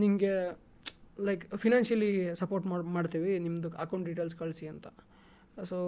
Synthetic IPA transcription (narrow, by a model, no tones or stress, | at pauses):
nimɡe | lɐjkpʰinaːnsɐlisɐpoːɾʈmamaːɽt̪iʋinimd̪uɐkɐw̃ɳʈɖiʈeːlskɐɭsiɐnt̪ɐ | soː